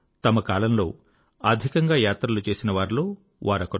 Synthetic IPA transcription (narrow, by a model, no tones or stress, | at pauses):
t̪ɐmɐkaːlɐmlo̞ː | ɐd̪ʱikɐŋɡaːjaːt̪ɾɐlut͡ʃe̞ːsinɐʋaːɾlo̞ː | ʋʔaːɾɐkːɐ